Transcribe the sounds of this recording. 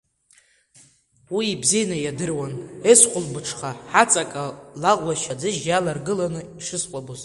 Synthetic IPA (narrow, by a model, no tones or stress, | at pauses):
wiːbzejnajadɨrwanesqʷʊlbɨʈ͡ʂʰχaħat͡sʼakʼalaʁʷwaʃad͡zɨʒalarɡɨlanɨiʂɨsqʷʼaboz